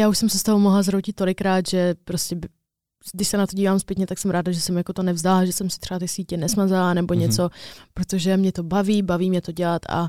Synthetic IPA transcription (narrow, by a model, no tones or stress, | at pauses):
jaːuʃsɛmsɪst̪oɦomoɦlazɾowcɪt̪t̪ːo̞lɪkɾaːt̪ʒɛpɾoscʲɛbɪ | ɡdɪʃsɛnat̪oɟiːvaːmspjɛt̪ɲɛt̪aksɛmɾaːdaʒɛsɛmjakot̪onɛvzd̪alaʒɛsɛmsɪt̪r̥ɛat̪ɪsiːcɛnɛsmazalanɛboɲɛt͡so̞pɾot̪o̞ʒɛmɲɛt̪o̞baviːbaviːmɲɛt̪oɟɛlat̪ʔa̰